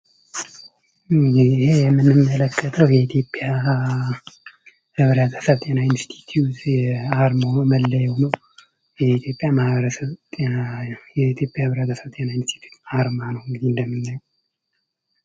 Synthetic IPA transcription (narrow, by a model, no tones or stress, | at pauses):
ɪhejɛmːɨnɨmːələkːət̪ʰəwjɛit̪ʰjo̞pʼːja | hɨβɾət̪ʰə̥səβt̪ʼenainst̪ʰi̥t̪ʰjut̪aɾmoməlːəjɛwnəw | jɛit̪ʰjo̞pʼːjamahβəɾəsəβt̪ʼnajɛit̪ʰjo̞pʼjahɨβɾət̪ʰəsəβt̪ʼenainst̪ʰi̥t̪ʰju̥t̪aɾmanəwɨŋɡɨd̪ind̪əmːɨnːaɲː